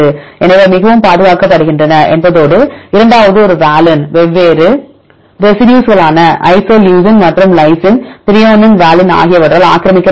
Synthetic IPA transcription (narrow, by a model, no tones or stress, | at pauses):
ɯɛnɐʋɐmɪɣɐʋɯmpaːðɯɣaːkːɐpːɐɽɯɣɪndrɐnɐʔɛ̰nbɐðoːɽɯɪɾɐɳɖaːʋɐðɯɔɾɯʋaːlɐnʋɛʋːeːɾɯ | ɾɛsɪɖjuːsɣɐɭaːnɐʔɐ̰ɪsoːljuːs̬ɪnmaːʈrɯmlɐɪsɪnt̪ɪɾɪjaːnɪnʋaːlɪna̰ːɣɪjɐʋɐɽrɐla̰ːkɪɾɐmɪkːɐ